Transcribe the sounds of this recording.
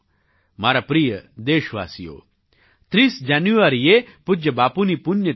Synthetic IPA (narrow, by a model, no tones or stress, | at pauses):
maːɾapɾiːjəd̪eːʃʋaːsijo̰ː | t̪ɾiːsd͡ʒaːnjuʋaɾijepʊd͡ʒjɐbaːpunipunjə